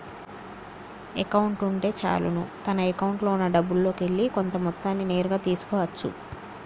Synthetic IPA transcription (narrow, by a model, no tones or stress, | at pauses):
ḛkɐwuɳʈuɳʈe̞ːt͡ʃa̰ːlṵnut̪ɐnɐekɐwuɳʈlo̞ːunːɐɖɐbːulːo̞ːke̞ɭːiko̞nt̪ɐmɔt̪ːaːnːine̞ːɾuɡaːt̪iːsu̥kɔːʋɐt͡ʃːṵ